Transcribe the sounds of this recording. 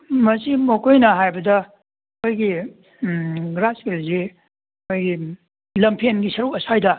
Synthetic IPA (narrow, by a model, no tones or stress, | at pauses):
mɐsimɐkʰojnɐɦajbɐdɐ | kʰojɡi | ɡɾaskelze | kʰojɡi | lɐmpʰenɡisɐɾuk̚ɐsajdɐ